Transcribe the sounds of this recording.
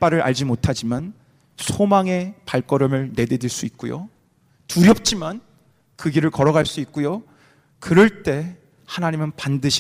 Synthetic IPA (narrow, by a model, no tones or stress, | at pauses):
p͈aɾɯɾʔa̰ʎd͡ʑimotʰad͡ʑiman | sʰomaŋe̞paɭk͈ʌɾʌmɯɭne̞dediɭs͈uik̚k͈ujo̰ | tuɾjʌp̚t͡ɕ͈iman | kɯɡiɾɯɭkʌɾʌɡaɭs͈uik̚k͈ujo | kɯɾʌɭt͈e̞ | hanaɲimɯnpandɯɕʰi